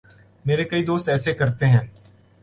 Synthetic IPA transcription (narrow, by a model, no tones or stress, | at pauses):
meːɾekɐid̪oːst̪ɛːsekɐɾt̪eɦɛ̃ː